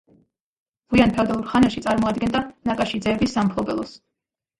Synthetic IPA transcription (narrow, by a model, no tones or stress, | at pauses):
ʁ̥wianpʰɛvd̪alˠuɾχanaʃit̪sʼaɾmɔad̪̚ɡɛnd̪anakʼaʃid̪zɛbisampʰlˠɔbɛlˠɔs